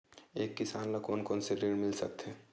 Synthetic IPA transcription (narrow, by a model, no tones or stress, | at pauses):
eːkːɪsaːnlakoːnkoːnseɾeːɽmɪlsɐ̰k̚t̪ɦɛː